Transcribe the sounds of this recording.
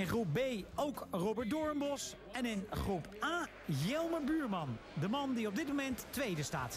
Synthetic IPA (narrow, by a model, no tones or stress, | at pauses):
ɪnχrup̚bejowkrobəɹt̚dɔɹəmbɔs | ɛnɪnχrupʔaː | jɛlˠməbyːɹmɑndəmɑndiɔb̚dɪt̚momɛntːʋejdəsta̰ːt